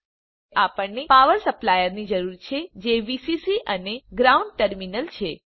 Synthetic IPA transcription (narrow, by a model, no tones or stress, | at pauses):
ʔapəɳnepaʋəɾsəplajəɾnid͡ʒəɾuɾt͡ʃʰed͡ʒeʋisisiʔəneɡɾauɳɖ̚ʈəɾminəlt͡ʃʰe